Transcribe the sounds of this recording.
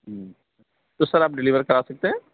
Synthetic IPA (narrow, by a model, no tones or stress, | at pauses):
ɦ | t̪osɐɾaːp̚ɖɪliːʋəɾkɐɾaːsɐk̚t̪eɦɛ̃ː